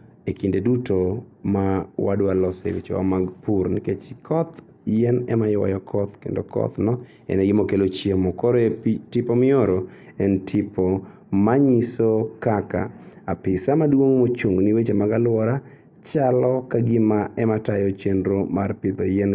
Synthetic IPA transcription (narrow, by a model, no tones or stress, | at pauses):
ekindedutomawadalɔsḛwḭt͡ʃɔ̰wa̰maɡpurniket͡ʃkʰɔt̪ | jɛnɛmajwa̰jɔkʰɔt̪kḛndo̰kʰɔ̰t̪nɔ | ɛ̰nɛɡɪmokelot͡ʃjemɔkɔɾetɪpɔmɪoɾo | ɛntʰɪpʰɔ | maɲisokaka̰apɪsamadwoŋmot͡ʃuŋɡnɪwet͡ʃemaɡalʊwɔɾa | t͡ʃalɔkaɡɪmaʔɛmatajɔt͡ʃendɾomarpɪd̪ɔjɛn